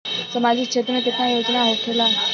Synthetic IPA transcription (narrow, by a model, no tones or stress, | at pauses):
səmad͡ʑʱiːkɕʰet̪ɾəkit̪ajod͡znaɦokʰela